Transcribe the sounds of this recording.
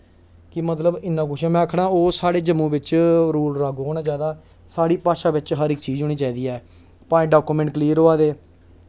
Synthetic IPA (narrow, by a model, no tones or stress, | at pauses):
kɪmət̪ləbɪnːãːkʊʃãːmɛ̃ːakʰɽãːoːsaːɽeːd͡ʒəmːũːbɪt͡ʃɾuːlɾaːɡoːnaːd͡ʒjaːd̪aː | saːɽiːpaːʃaːʋɪt͡ʃɦəɾɪkt͡ʃiːd͡ʒʊːñiːt͡ʃaːiːd̪iːɛː | pãːɖaːkuːmɛ̃ɳʈkliːɾoːaːd̪eː